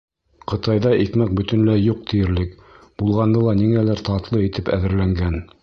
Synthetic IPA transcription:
qʰɤ̆t̪ɑjðɑʔik̪mæk̚bɵ̆t̪ɵ̆nlæjuq̚t̪ʰijɘ̆ɾlɘkb̥ulˠʁɑnd̪ɤlˠɑniŋælæɾt̪ɑt̪lˠɤit̪ʰɘpæðɘ̆ɾlæŋɡæn

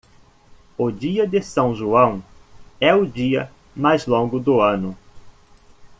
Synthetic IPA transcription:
ʊd͡ʒiɐd̪ɪsɐ̃w̃ʒuɐ̃w̃ɛʊd͡ʒiɐ | majzlõɡʊd̪ʊɐ̃nʊ

